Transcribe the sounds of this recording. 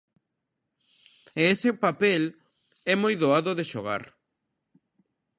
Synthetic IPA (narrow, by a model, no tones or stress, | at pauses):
eesɪpapɛl | ɛmojðoaðoðeʃoɣa̰ɾ